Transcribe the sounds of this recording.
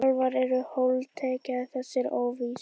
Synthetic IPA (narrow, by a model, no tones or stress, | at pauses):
ɔlvaɾɛɾʏhowlt̪ʰɛːcaðθɛsːɪɾoːwvi